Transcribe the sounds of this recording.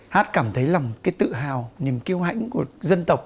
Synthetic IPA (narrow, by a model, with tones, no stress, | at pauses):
haː˦˥t̚kaː˧˩mt̪ʰə˨˦jla˨˩wŋ͡mkaː˨˦jt̪ɨ̰˧˨ɦaː˨˩wni˨˩əmki˧əwha̰˧˨jŋ̟ku˧˩əzə˧nt̪ə˨˩wk͡p̚